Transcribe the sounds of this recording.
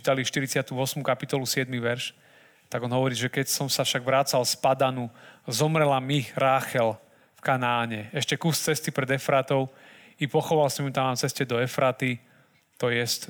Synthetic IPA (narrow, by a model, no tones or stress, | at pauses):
i̥t̪aliʃt̪iɾit͡sɪat̪uɔsmukapit̪ɔlusɪɛd̪miʋɛɾʃ | t̪aɡɔnɦɔʋɔɾiːʒɛkɛcsɔmsafʃaɡʋɾat͡salspad̪anuzɔmɾɛlamiɾaːxɛl | fkanaːɲɛɛʃcɛkust͡sɛst̪ipɾɛd̪ɛfɾat̪ɔʊ | ipɔxɔʋalsɔmimt̪amamt͡sɛscɛd̪ɔɛfɾat̪i | t̪ɔjɛsc